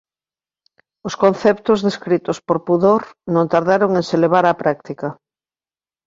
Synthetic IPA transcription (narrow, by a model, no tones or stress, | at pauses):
ʊskõnθɛp̚t̪ʊzðeskɾit̪ʊspoɾpuðoɾnõnt̪aɾðaɾoŋẽŋseleβ̞aɾapɾʔak̚t̪ika